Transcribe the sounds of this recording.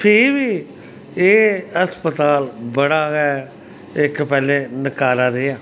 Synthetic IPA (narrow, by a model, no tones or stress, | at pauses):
pʰɪɾʋiː | eːəspət̪aːlbəɽaːɡɛː | ɪkpɛːlẽːnəkaːɾaːɾeaː